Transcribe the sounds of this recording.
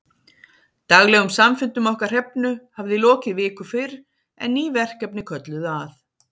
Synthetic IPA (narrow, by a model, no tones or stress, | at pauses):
t̪aɣlɛɣʏmsamfɪnt̪ʏmɔhkar̥r̥ɛpnʏhavðɪlɔːcɪvɪːkʏfɪɾ | ɛ̰nːiːvɛr̥kɛpnɪkʰœt̪lʏðaθ